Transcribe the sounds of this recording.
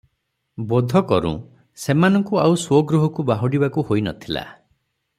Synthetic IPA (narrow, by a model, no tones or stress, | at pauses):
bɔd̪ʱɔkɔɾṵ̃ | semanɔŋkuawswɔɡɾuɦɔkubaɦɔɽibakuhoinɔ̰t̪ʰila̰